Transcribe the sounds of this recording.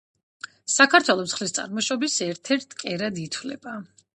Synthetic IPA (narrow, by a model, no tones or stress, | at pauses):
sakʰaɾt̪ʰwɛlˠɔt̪sχlist̪sʼa̰ɾmɔʃɔbisɛɾt̪ʰɛɾt̪ʰkʼɛɾad̪it̪ʰwlɛ̰b̥a